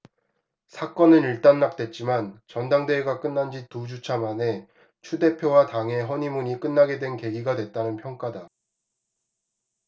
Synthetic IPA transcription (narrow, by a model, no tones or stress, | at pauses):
sʰak͈ʌnɯniɭt͈anːak̚t͈we̞t̚t͡ɕ͈imant͡ɕʌndaŋde̞ːɡak͈ɯnːand͡ʑitud͡ʑut͡ɕʰamane̞ | t͡ɕʰude̞pʰjowataŋe̞ɦʌɲimuɲik͈ɯnːaɡe̞dwe̞nke̞ɡiɡadwet̚t͈anɯnpʰjʌŋk͈ada